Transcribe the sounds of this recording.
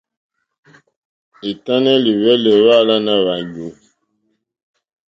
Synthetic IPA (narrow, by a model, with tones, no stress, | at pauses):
e˨ta˦nɛ˦li˨wɛ˦lɛ˨wa˦˨la˦na˦βa˨ɟo˨